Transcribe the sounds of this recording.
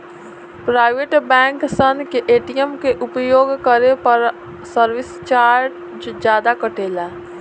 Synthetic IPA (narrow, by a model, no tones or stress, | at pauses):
pɾaːɪʋeʈbɛ̃ːŋksənkeʔeːʈijəmkeʔʊpjoːɡkəɾepəɾ | səɾʋɪst͡ʃaːɾʈ | d͡ʒd͡ʒjaːd̪akəʈeːlaː